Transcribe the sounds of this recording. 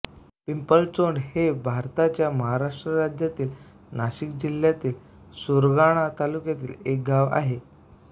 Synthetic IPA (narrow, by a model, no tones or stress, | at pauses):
pimpəlt͡soɳɖhebʱaɾt̪at͡ɕjaməɦaɾaʂʈɾəɾad͡ʑjat̪iːl | naɕik̚d͡ʑiljat̪iːl | soɾɡaɽ̃at̪alukjat̪iːlek̚ɡaʋa̰ɦe